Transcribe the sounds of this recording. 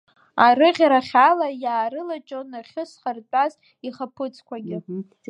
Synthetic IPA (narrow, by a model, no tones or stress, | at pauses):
aɾɨʁʲɾaχʲalajaːɾɨlat͡ʃʼonaχʲɪsχart͡pʷʼaz | iχapʰɨt͡sʰʼkʷaɡʲɪ